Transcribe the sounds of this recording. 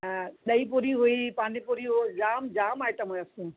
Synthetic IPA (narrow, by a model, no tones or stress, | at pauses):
ɗɐipuːɾiɦuipãːnĩpuɾiɦod͡ʑaːmd͡ʑaːmaːjʈəmɦoɐsũː